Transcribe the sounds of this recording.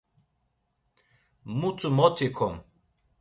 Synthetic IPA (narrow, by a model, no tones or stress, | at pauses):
mut͡sumɔt̪ʰikʰɔm